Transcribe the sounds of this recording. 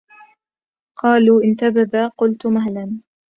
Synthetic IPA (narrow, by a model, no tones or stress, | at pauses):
qɑːluːʔɪnt̪abaðaːqʊlt̪maɦlan